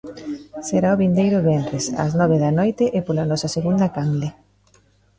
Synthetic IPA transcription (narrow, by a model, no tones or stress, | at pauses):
seɾaʊβind̪ejɾʊβɛnɾesa̰znɔβ̞eðɐnɔjt̪ɪʔepolanɔsɐseɣund̪ɐkaŋɡle